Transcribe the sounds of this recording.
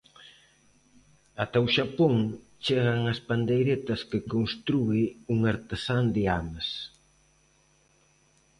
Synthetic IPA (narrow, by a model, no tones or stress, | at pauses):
at̪awʃapoŋ | t͡ʃeɣɐŋɐspand̪ejɾet̪ɐskɪkonst̪ɾuɪuŋaɾt̪esand̪ɪamɐs